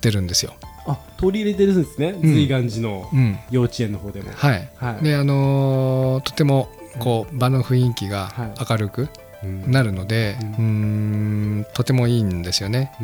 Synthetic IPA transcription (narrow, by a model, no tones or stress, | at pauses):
t̪ːe̞ɾɯ̟̃nd̪e̞sɨjo̞̰at̪oɾʲiːɾet̪̬eɾɯsõnesɨneɯz̃ɨiɡãɲd͡ʑino̞ɯ̟̃ɴjo̞ːt͡ɕiẽ̞nːo̞ɦo̞ːd̪e̞mo̰haihid̪e̞ano̞ | t̪o̞̥t̪e̞mo̞ | ko̞ːbano̞ɸɯ̟ĩŋkʲiɡaakaɾɯ̟kɯ̟ | naɾɯ̟no̞d̪e̞ɯ̟̃ː | t̪o̞t̪e̞mo̞iːnd̪e̞sɨjo̞ne̞